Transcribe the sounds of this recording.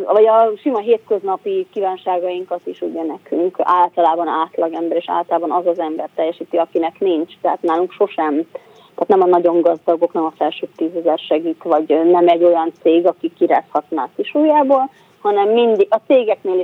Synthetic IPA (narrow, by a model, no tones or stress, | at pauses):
vɒɟɒʃimɒɦeːt̪køznɒpikiːvaːnʃaːɡɒjiŋkɒt̪iʃuɟɛnɛkyŋkaːlt̪ɒlaːbɒnaːt̪lɒɡɛmbɛɾeːʃa̰ːlt̪ɒlaːbɒnɒzɒzɛmbɛrt̪ɛjːɛʃiːt̪iɒkinɛknint͡ʃt̪ɛɦa̰t̪naːluŋkʃo̞ʃɛm | t̪ɛaːt̪nɛmɒnɒɟo̞ŋɡɒzd̪ɒɡo̞knɛmɒfɛlʃøːt̪ːiːzɛzɛrʃɛɡiːt̪vɒɟnɛmɛɟːo̞jɒnt̪seːɡɒkikːiɾa̰ːshɒt̪naːkiʃuːjaːboːl | hɒnɛmːind̪iɡɒt̪seːɡɛkneːli